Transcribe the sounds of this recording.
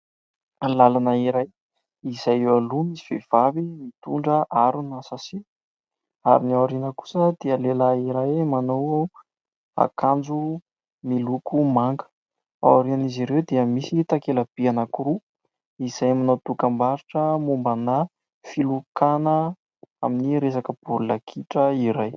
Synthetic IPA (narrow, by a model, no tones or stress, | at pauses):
lalanəiɾaj | izajewalumisi̥v̥ev̥avimit̪uɳɖ͡ʐəʔaɾunasasi | a̰ɾinawaɾinəku̥səd̪̥iəlelaiɾajmanowa | a̰kand͡zu | milukumaŋɡə̥ | a̰waɾianiziɾewd̪iəmisit̪akeləb̥ianəkuɾu | iz̥ajamanowt̪ukambaɾiʈ͡ʂəmumbana | filukanə | a̰miniɾesakəb̥ululakʰiʈ͡ʂəiɾaj